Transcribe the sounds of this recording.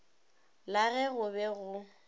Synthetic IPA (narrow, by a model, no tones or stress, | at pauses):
laɣɛɣʊbɛɣʊ